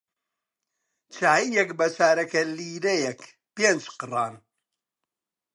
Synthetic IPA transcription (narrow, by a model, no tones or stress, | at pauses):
t͡ʃʰaːiːjɛkbɐsaːɾɐkɐliːɾɛjɛk | peːnt͡ʃqɨrˤaːn